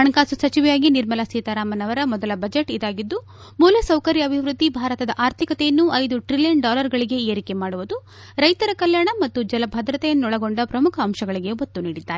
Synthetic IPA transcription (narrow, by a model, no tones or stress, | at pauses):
ɐɳkaːsusɐt͡ʃiʋɛjaːɡiniɾmɐlɐsiːt̪ɐɾaːmɐnɐʋɐɾɐmɔd̪ɐlɐbɐd͡ʒeʈid̪aːɡid̪ːu | muːlɐsɐwkɐɾjɐɐbʱiʋɾud̪ʱːibʱaːɾɐt̪ɐd̪ɐʔaːɾt̪ʰikɐt̪ejɐnːuɐjd̪uʈɾilijɐɳɖaːlɐɾɡɐɭiɡe̞eːɾike̞maːɽuʋud̪u | ɾɐjt̪ɐɾɐkɐljaːɳɐmɐt̪ːud͡ʒɐlɐbʱɐd̪ɾɐt̪ɛjɐnːuɔɭɐɡo̞ɳɖɐpɾɐmukʰɐːmʃɐɡɐɭiɡe̞ɦot̪ːuniːɽid̪ːaːɾe